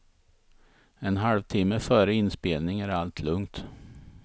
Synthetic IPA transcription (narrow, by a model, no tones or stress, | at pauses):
ɛnɦalvt̪ʰɪmːəfœːɾəɪnspeːlnɪŋæɾalt̪ʰlɵŋt̪